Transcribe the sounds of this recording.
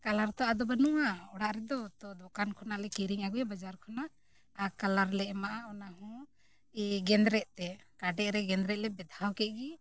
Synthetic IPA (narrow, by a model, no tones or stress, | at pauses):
kalaɾt̪ɔad̪ɔbanuwaɔɽaʔɾɛd̪ɔt̪ɔd̪ɔkankʰɔnaʔlɛkiɾiŋaɡujabad͡ʒaɾkʰɔnaʔ | akalaɾlɛʔmaʔaɔnaɦɔ̃ | iɡɛnd̪ɾɛʔ̚t̪ɛkaɖɛʔɾɛɡɛnd̪ɾɛt̪̚lɛbɛd̪ʱawkɛʔ̪̚ɡi